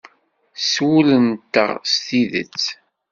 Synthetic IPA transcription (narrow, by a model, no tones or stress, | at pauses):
swulənt̪ːə̰ʁst̪iðə̰t͡sː